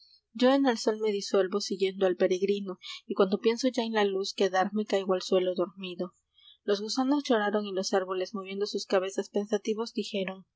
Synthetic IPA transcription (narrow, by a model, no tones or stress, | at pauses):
d͡ʒo̞e̞nelso̞lme̞ðiswe̞lβo̞siɣje̞nd̪oalpe̞ɾe̞ɣɾino̞ikwand̪o̞pje̞nso̞ʝaenlaluskeðaɾmekajɣoalswe̞lo̞ðo̞ɾmiðo̞ | lo̞zɣusano̞zʝo̞ɾaɾo̞ŋilo̞saɾβo̞le̞zmoβje̞nd̪osuskaβe̞saspe̞nsat̪iβo̞zd̪ixe̞ɾo̞ŋ